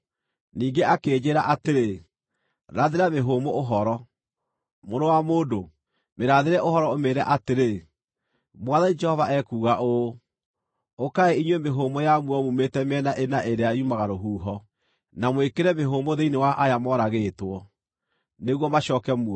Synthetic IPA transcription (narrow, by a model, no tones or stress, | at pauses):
niːŋɡeʔakeːd͡ʑeːɾaʔateɾe | ɾaðeɾameɦoːmooɦɔɾɔ | moɾowamoːdo | meɾaðeɾɛʔoɦɔɾɔomeːɾɛʔateɾe | mwaðanid͡ʒɛhɔvaɛkuːɣaʔo | okaeiɲwemeɦoːmɔjamwuɔmumetɛmɛnaʔenaʔeɾeaumaɣaɾoɦuːɦɔ | namwekeɾɛmeɦomoðeinewaʔajamɔɾaɣetwɔ | neɣwɔmaɕɔːkɛmuɔ